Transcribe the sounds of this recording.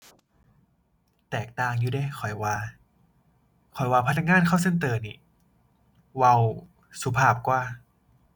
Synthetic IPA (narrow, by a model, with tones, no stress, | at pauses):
t̪ɛː˨˩k̚t̪aː˧ŋjuː˧da˧˥˨jkʰɔ˨˩jwaː˧ | kʰɔ˨˩jwaː˧pʰa˧t̪nːa˧˥kŋaː˧˥˨nkʰa˥˩wse˥nt̪ɤː˧ni˧˩ | wa˧w | su˧˦pʰaː˧˩p̚kwaː˧˩